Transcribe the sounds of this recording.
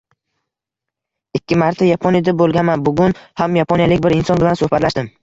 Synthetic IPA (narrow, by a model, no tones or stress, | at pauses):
ɪkʲʰːɪmaɾt̪ʰajapʰonjad̪abolˠɡʲanmanbʊɡʲʊnhamjapʰonjalɪk̚ʲbɪɾɪnsɒnbɪlansɵhbat̪laʃtd̪ɪm